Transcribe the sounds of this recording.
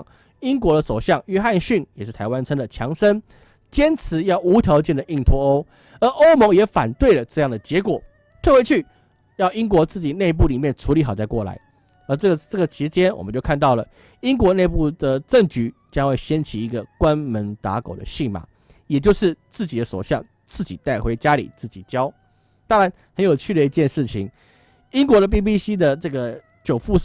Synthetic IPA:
i˦˥ŋkwɔ˧˥d̪ə˧ʂo˨˩ʊɕjɑ˥˩ŋɥɛ˥xa˥˧nɕy˥˩njɛ˨˩ʂɻ̩˥˩t̪ʰa˧ɪwa˥˦nʈ͡ʂʰə˥ŋd̪ə˨t͡ɕʰjɑ˧˥ŋʂə˥n | t͡ɕjɛ˥nt͡sʰɹ̩˧˦jɑ˥˩ʊʔu˧˥t̪ʰjɑ˧˥ʊt͡ɕjɛ˥˩nd̪ə˨ʔi˥˩ŋt̪ʰɔ˧˥o˥ʊ | ə˧˥ʔo˥ʊmɔ˧˥ŋjɛ˧˥fa̰˨˩nt̪we˥˩ɪlə˩ʈ͡ʂɤ˥˧jɑ˥˩ŋd̪ə˩t͡ɕjɛ˧˥kwɔ˨˩ | t̪ʰwe˥˩we˧˥t͡ɕʰy˥˩ | jɑ˥˩ʊi˥ŋkwɔ˧˥t͡sɹ̩˥˩t͡ɕi˨˩ne˥˧p̬u˥˩li˨˩mjɛ˥˩nʈ͡ʂʰu˧˥li˧˥xɑ˨˩t͡sa˥˧ɪkwɔ˥˩la̰˧˦ɪ | ə˧˥ʈ͡ʂɤ˥˩ɡə˩ʈ͡ʂɤ˥˩ɡə˩t͡ɕʰi˧˥t͡ɕjɛ˥nwɔ̰˨˩mə˦t͡ɕjo˥˧ʊkʰa˥˧nt̪ɑ˥˩ʊlə˩ | i˥ŋkwɔ˧˥ne˥˧ɪpu˥˩d̪ə˩ʈ͡ʂə˥˩ŋt͡ɕy˧˥t͡ɕjɑ˥ŋxwe˥˩ɪɕjɛ˥nt͡ɕʰi˧˥i˧˥ɡə˨kwa˦˥nmə˧˥nt̪a̰˧˥ko˨˩ʊd̪ə̰˦ɕi˥˩ŋma̰˨˩˦ | jɛ˨˩t͡ɕjo˥˧ʊʂɻ̩˥˧t͡sɹ̩˥˩t͡ɕi˨˩d̪ə˦ʂo˨˩ɕjɑ˥˧ŋ | t͡sɹ̩˥˩t͡ɕi˨˩t̪a˥˩ɪxwe˧˥ɪt͡ɕja˥lḭ˨˩t͡sɹ̩˥˩t͡ɕḭ˨˩t͡ɕjɑ˥ʊ | t̪a˥ŋɻa˧˥n | xə˧˦njo˨˩ʊt͡ɕʰy˥˩d̪ə˩i˧˥t͡ɕjɛ˥˧nʂɻ̩˥˩t͡ɕʰi˨˩˦ŋ | i˥ŋkwɔ˧˥d̪ə˧p̬i˥˧p̬i˥ɕi˥d̪ə˨ʈ͡ʂɤ˥˩ɡə˩ | t͡ɕjo˨˩ʊfu˥˧

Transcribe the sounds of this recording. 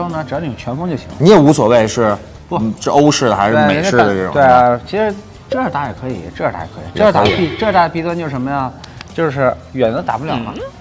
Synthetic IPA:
ʊnə˩ʈ͡ʂ̩˧˨˩jn˨˩t͡ɕʰɥɛ˧˥nfʊ˥ŋt͡ɕjo˥˩ʊɕi˧˥ŋlni˧˥ɛ˨˩u˧˥swɔ˨˩we˥˩ɪʂɻ̩˥˩˥ | ʂɻ̩˥˧ʔo˥ʊʂɻ̩˥˩d̪ə˩a˧˥ɪʂɻ̩˥˧˥me˨˩˧d̪ə˧ʈ͡ʂɤ˥˩ʈ͡ʂʊ̰˨˧we˥˧˩ɪ˩t͡ɕʰi˧˥ʂɻ̩˧˥ | ʈ͡ʂɤ˥ʂɻ̩˧˥t̪a˧˥˩jɛ˨˩kʰɤ˧˥ḭ˨˩˦ʈ͡ʂɤ˥˩ʂɻ̩˧t̪a̰˧˩˨kʰɤ˧˥i˨˩ʈ͡ʂɤ˥˩˧t̪a˧˥˩pi˥˩˧ʈ͡ʂɤ˥˩˧t̪a˥˩˧pi˧˥˩d̪ə˧t͡ɕjo˥˧ʊʂə˧˥nmə˧jɑ˥˩ŋt͡ɕjo˥˧ʊʂɻ̩˥˩ | ɥɛ˨˩n˥t̪a̰˨˩pu˥ljɑ˨˩˦ʊmɐ˦˧

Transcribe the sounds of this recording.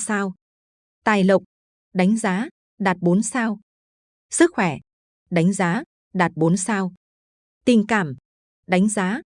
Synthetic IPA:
saː˧w | t̪aː˨˩jlə˨˩wk͡p̚ | ɗa˨˦jŋ̟zaː˨˦ | ɗaː˨˩t̚ɓo˨˦nsaː˧w | sɨ˦˥k̚xwɛ˧˩ | ɗa˨˦jŋ̟zaː˨˦ | ɗaː˨˩t̚ɓo˨˦nsaː˧w | t̪i˨˩ŋkaː˧˩m | ɗa˨˦jŋ̟zaː˨˦

